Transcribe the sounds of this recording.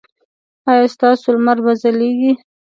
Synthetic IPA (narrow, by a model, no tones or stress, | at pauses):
ɑjɑst̪ɑsolmaɾbazaleɡi